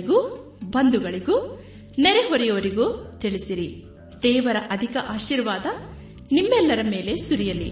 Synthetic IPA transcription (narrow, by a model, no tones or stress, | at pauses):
ɡu | bɐnd̪uɡɐɭiɡu | nɛɾeɦɔɾɛjoʋɐɾiɡuːt̪iɭisiɾi | d̪ɛːʋɐɾɐʔɐd̪ʱikɐʔaːʃiːɾʋaːd̪ɐ | nimːɛlːɐɾɐme̞ːle̞suɾijɐlːḭ